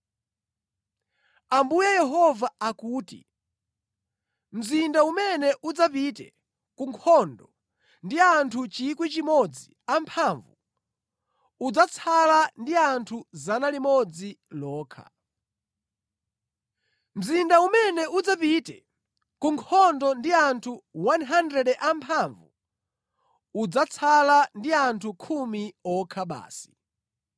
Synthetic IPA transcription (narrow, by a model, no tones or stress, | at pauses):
ambujɛjɛɦɔvaːkuːtḭ | m̩zindaumɛnɛʔud͡zapitɛ̰ | kuŋkʰɔndɔ | ndiantʰut͡ʃikwit͡ʃimɔd͡zi | ampʰaɱvu | ud͡zat͡sʰalandiantʰuzanalimɔd͡zilɔːkʰa̰ | m̩zindaumɛnɛud͡zapitɛ̰ | kuŋkʰɔndɔndiantʰuwanɦandɾɛɗɛʔampʰaɱvṵ | ud͡zat͡sʰalandiantʰukʰumiɔkʰaɓa̰ːsi̥